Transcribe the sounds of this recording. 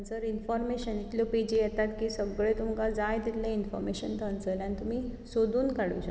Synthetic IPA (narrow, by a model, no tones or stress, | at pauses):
d͡zəɾinfɔɾmeɕənit̪ljopid͡ʑijɛt̪at̪kiːsəɡɭet̪umkad͡zajd̪it̪lẽinfɔ̰ɾmeɕənt̪ʰãnt͡səlanit̪um̤iːsod̪uːnkaɽ̤ṵjɕə